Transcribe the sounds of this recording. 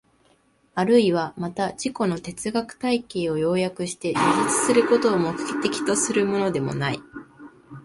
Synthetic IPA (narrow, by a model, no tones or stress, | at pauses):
aɾɯ̟iβamat̪ad͡ʑiko̞no̞t̪e̞t͡sɨɡakɯ̟̥t̪aike̞ːo̞jo̞ːjakɯ̟ɕi̥t̪e̞d͡ʑiʑit͡sɨ̥sɨɾɯ̟ko̞t̪o̞ːmo̞kɯ̟̥kʲe̥t̪e̞kʲi̥t̪o̞sɨɾɯ̟mo̞no̞d̪e̞mo̞̰nai